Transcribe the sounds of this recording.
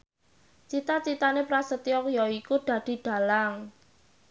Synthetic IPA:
t͡ʃit̪at͡ʃit̪anepɾasət̪iɔkjɔikud̪̥ä̤d̪̥i̤ɖ̪̥a̤laŋ

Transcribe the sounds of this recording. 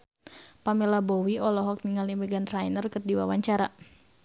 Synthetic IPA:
pamɛlabɔwiɔlɔɦɔk̚niŋalimɛɡant̪ɾajnərkɨrdiwa̰waɲt͡ʃaɾa

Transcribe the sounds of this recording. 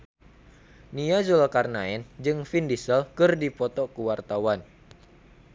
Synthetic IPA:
niazulkarnaɛnd͡ʒɨŋfindisəlkɨrdipɔt̪ɔkuwart̪awan

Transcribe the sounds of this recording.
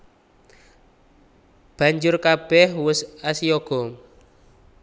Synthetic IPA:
b̥ä̤ɲd͡ʒʊrkab̥ɛhwʊsasioɡ̥ɔ̤

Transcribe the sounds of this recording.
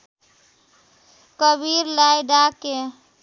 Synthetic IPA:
kəbiɾlajɖake

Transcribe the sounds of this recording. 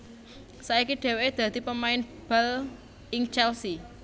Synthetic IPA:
saikiɖ̥e̤weed̪̥ä̤d̪̥i̤pəmaɪnb̥al | ɪŋt͡ʃɛlsi

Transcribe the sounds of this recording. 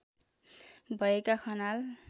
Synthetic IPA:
bʱʌekakʰʌnal

